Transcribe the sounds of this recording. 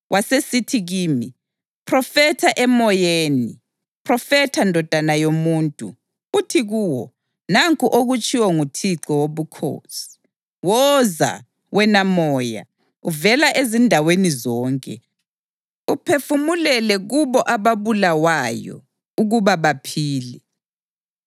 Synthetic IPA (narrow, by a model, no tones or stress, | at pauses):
wʔasesitʰiɣiːmi | pʰrɔfɛtʰaʔɛmɔjeːnḭ | pʰrɔfɛtʰandʱɔd̥ʱanajomuːntʼṵ | utʰiɣuːwɔ | naŋkʰʼuʔoɣut͡ʃʼiwɔŋutʰiǀɔwoβukʰo̰ːsi̥ | wɔza̰ | ɣwɛnamɔːja̰ | uvɛlaʔezindʱawenizɔːŋkʼɛ̰ | upʰefumulɛlɛɣuβɔʔaβaβulawajɔ̰ | uɣuβaβapʰiːlɛ